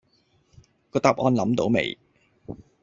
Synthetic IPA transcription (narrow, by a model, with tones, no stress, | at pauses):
kɔː˧t̪aː˨p̚ʔɔː˧nlɐ˨˥mt̪o˨˧˥wmḛ˨˩j